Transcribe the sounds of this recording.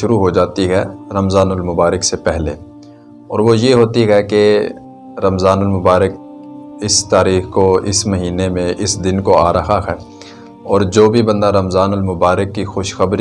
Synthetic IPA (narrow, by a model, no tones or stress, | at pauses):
ʃʊɾuɦod͡ʒaːt̪iɦɛɾɐmzaːnʊlmʊbaːɾəksepɛɦlḛ | ɔːɾʋojeɦoːt̪iɦɛke | ɾɐmzaːnʊlmʊbaːɾək̚ | ɪst̪aːɾiːxkoɪ̰smɐɦiːnemẽʔɪsd̪ɪnkoa̰ːɾɐɦaɦɛː | ɔːɾd͡ʒoːbʱibɐ̃nd̪aɾɐmzaːnʊlmʊbaːɾəkːixʊʃxɐbɾ